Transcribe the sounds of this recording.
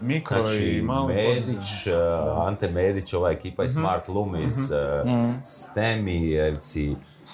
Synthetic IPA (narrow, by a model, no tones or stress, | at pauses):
miaat͡ʃimalmed̪it͡ʃ | ant̪emeːd̪it͡ʃoʋaːekiːpajesmaɾt̪lˠumiz | st̪emieʋt̪si